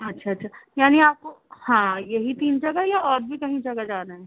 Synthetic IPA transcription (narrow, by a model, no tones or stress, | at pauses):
ɐtːʃʰaɐtːʃʰajaːniaːp̚kohãːjɐɦit̪iːnd͡ʒɐɡaɦɛjaɔːɾbʱikɐɦĩd͡ʒɐɡad͡ʒaːnaɦɛː